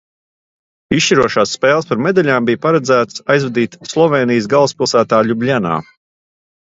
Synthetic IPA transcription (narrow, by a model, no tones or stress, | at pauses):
ist͡ʃiɾuɔʃaːsːpeːlˠəspaɾmed̪aʎʲaːmbijpaɾɛd̪zæːt̪sajzvɛd̪iːt̪slˠɔveːnijsɡalˠspilˠsæːt̪aːʎʲublʲana̰ː